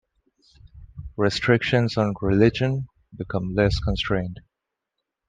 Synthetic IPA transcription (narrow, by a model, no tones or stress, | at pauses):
ɹɛstʰɹɪkʃə̃nzɔ̃nɹɪlɪd͡ʒə̃n | bɪkʰʌ̃mlɛskə̃nstɹẽɪ̃nd